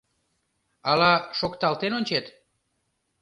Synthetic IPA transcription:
ɑlɑʃokt̪ɑlt̪enonʲt͡ɕet̪

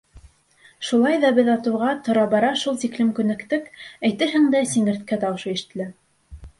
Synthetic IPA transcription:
ʃulˠɑjðɑbɘðɑt̪ɤ̆wʁɑt̪ŏɾɑbɑɾɑʃulˠt̪iklɘmkʉnɘ̆kt̪ɘkæjt̪ɘɦɘŋd̪æsiŋɘ̆ɾt̪̚kæt̪ɑw̆ʃɤiʃɘ̥̆t̪ɘ̆læ

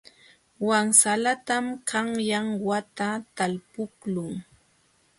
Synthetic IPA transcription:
waŋsalat̪amkʰaŋjaŋwat̪at̪alpʊklʊŋ

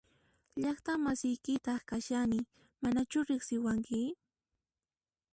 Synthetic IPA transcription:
ʎɑχt̪amasɪjkɪt̪ɑχkaʃanɪ | manat͡ʃʊɾɪχsɪwaŋkɪ

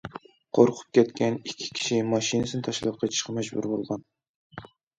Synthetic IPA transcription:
qʰoɾqʰʊ̥p̚kʲʰɛt̪kʲɛnikʲʰːi̥kʲʰi̥ʃimɑʃinɨsɨnɨt̪ʰɑʃlˠɑp̚qʰɑt͡ʃ̪ʰi̥ʃqʰɑmɛd͡ʒbṵɾbolˠʁɑn

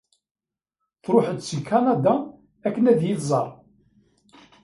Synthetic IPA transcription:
θɾʊħəd̪sikʰɑnad̪a | ækːənæðjiθzˤɑɾˤ

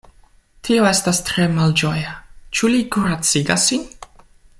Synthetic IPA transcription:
t̪ʰiɔɛst̪ast̪ʰɾɛmald͡ʒɔjat͡ʃʰuliɡuɾat̪siɡasin

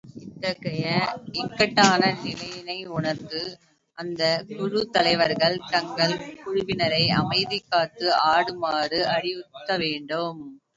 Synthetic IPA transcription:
ɪt̪ːɐɣɐjɐɛkːɐʈːaːnɐnɪlɐjɪnɐɪʊɳɐkːɯ | ʔɐnd̪ɐkʊɻɯt̪ɐlɐɪʋɐɾɣɐɭt̪ɐŋɡɐɭkʊɻʊʋɪnɐɾɐɪɐ̰mɐɪðɪkːaːt̪ːɯʔaːɽɯmaːrɯɐɽɪɯt̪ːɐʋeːɳɖɯm

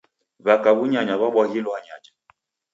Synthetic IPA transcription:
βakaβuɲaɲaβaɓwaɣilɔaɲad͡ʒḁ

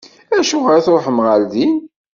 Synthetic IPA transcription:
æʃuʁəɾθɾoħəmʁælðin

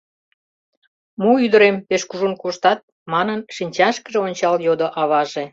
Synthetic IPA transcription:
muyd̪əɾempeʃkuʒunkuʃt̪ɑt̪̚ | mɑnənʃinʲt͡ɕɑʃkəʒeonʲt͡ɕɑljod̪oʔɑβɑʒe

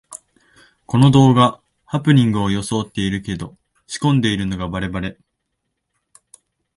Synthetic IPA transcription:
ko̞no̞d̪o̞ːɡa | hapɯ̟ɲ̟ĩŋɡɯ̟o̞jo̞so̞ːt̪ːe̞iɾɯ̟ke̞d̪o̞ | ɕi̥kõ̞nd̪e̞iɾɯ̟no̞ɡabaɾe̞baɾe̞

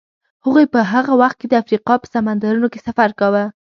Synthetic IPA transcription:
həɣujpəɦaɣawaxt̪̚ked̪əafɾiqɑpə̥samand̪aɾunokesafaɾkawə

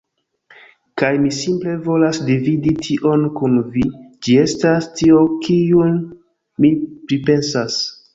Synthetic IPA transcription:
kajmisimple̞vo̞lasdividitʰiʔo̞nkunvid͡ʒie̞stastio̞kʰijun | mipɾipe̞nsas

